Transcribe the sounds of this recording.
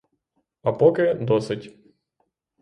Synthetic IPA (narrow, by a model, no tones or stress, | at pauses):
ɐpɔkɪd̪ɔsɨtʲ